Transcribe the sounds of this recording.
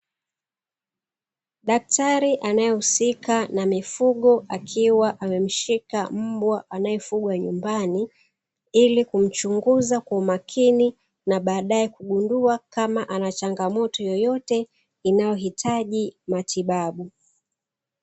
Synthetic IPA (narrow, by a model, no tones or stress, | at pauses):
ɗak̚taɾiʔanajɛhusikanamifuɠɔʔakʰiwaʔamɛm̩ʃikam̩bwaʔanajɛfuɠwaɲumbani | ilikum̩t͡ʃuŋɡuzakwaumakʰini | naɓaːɗaɛkuɠunduakamaʔanat͡ʃaŋɡamɔtɔjɔjɔtɛ | inajɔɦitʰaʄimatiɓaɓu